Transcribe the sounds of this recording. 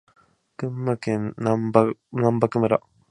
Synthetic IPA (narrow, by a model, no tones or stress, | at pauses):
kɯ̃mːakẽnnambanãmbakɯmɯɾa̰